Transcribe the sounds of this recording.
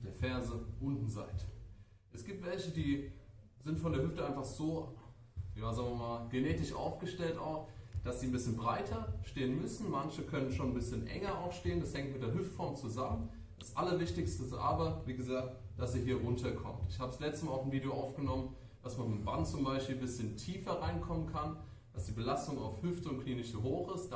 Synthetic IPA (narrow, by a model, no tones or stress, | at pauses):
d̥eːɐfɛɐzəʔʊndn̩za̰ɪtə̥ | ʔɛsɡ̥iːp̚tv̥ɛlçədiː | zɪntfɔndeɐhɦʏftəʔaɪnfaχz̥oː | jaːzaːɡŋvɐmaːlɡ̥eneːtɪʃʔa̰ʊfɡ̥əʃtɛlta̰ʊxd̥asz̥iːn̩bɪsçənbʁaɪtʰɐʃteːənmʏsn̩mançəkʰœnənʃoːnnbɪsçənʔɛ̰ŋɐaʊxʃteːəndashɛŋktmɪtd̥eɐɦʏftfɔɐmt͡suzamən | d̥asʔalɐvɪçtɪçstəʔa̰ːbɐviːɡəzaːk̚td̥aseːɐɦiːɐʁʊntʰɐkʰɔ̰mtɪçhaːbəslɛt͡stəmalaʊxn̩viːdeoʔaʊfɡ̥ənɔmən | d̥asmanɪva̰ntt͡sʊmbaɪʃpiːlbɪsçəntʰiːfɐʁaɪnkʰɔmənkʰan | d̥asd̥iːbəlastʊŋa̰ʊfhʏftəʊntkʰliːnɪçuɦoːxɪstd̥